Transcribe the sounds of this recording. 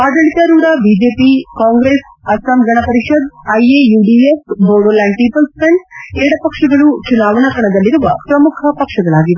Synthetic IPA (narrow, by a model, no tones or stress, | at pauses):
aːd̪ɐɭit̪ɐɾuːɾɐbiːd͡ʒeːpikaːŋɡɾeːs | ɐsɐmɡɐɳɐpɐɾiʂɐd̪ɐjejuːɖiːefboːɽolaɳɖʈiːpɐlspɐɳeːɽɐpɐkʂɐɡɐɭut͡ʃunaːʋɐɳɐkɐɳɐd̪ɐlːiɾuʋɐpɾɐmukʰɐpɐkʂɐɡɐɭaːɡiʋe